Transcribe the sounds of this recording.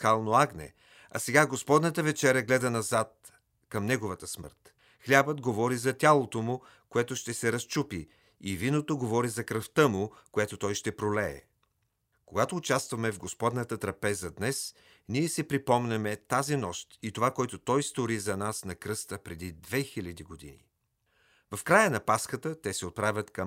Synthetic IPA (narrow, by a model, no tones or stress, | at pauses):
kalˠnoaɡnɛ̰ | ɐ̰sɛɡaɡospɔd̪nət̪əvɛt͡ʃɛɾʲɐɡlɛd̪ɐnɐzat̪̚ | kɐmnɛɡovət̪əsmə̰ɾt̪ | xlʲabəd̪ɡovɔɾizɐt̪ʲalˠot̪omʊ | koɛt̪oʃt̪ɛsɛɾɐst͡ʃupi | ivinot̪oɡovɔɾizɐkɾəft̪əmʊkojɛt̪ot̪ɔjʃt̪ɛpɾolɛɛ̰ | koɡat̪oːt͡ʃast̪vɐmɛvɡospɔd̪nət̪ət̪ɾɐpɛzəd̪nɛs | niɛsɛpɾipɔmnɛmɛt̪azinɔʃt̪it̪ovakoɛt̪ot̪ɔjst̪oɾizɐnasnɐkɾɤst̪əpɾɛd̪id̪vɛxilʲɐd̪iɡod̪ḭnḭ | vɐfkɾajənɐpaskət̪ət̪ɛsɛot̪̚pɾavʲjɐt̪kɐm